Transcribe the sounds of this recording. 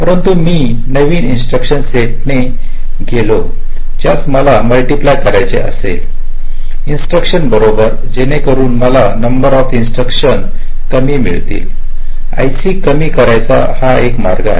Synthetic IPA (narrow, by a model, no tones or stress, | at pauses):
pəɾənt̪umiː | nəʋiːninsʈɾəkɕənseʈne | ɡelo | d͡ʑjasməlaməlʈiplajkəɾajt͡sḛʔə̰sḛ | insʈɾəkʂənbəɾobəɾ | d͡ʑenekəɾuːnməlanəmbəɾɔfinsʈɾəkɕən | kəmiːmḭɭt̪ḭːl | a̰jsiːkəmiːkəɾajt͡sa̰ | haekmaɾɡa̰ɦe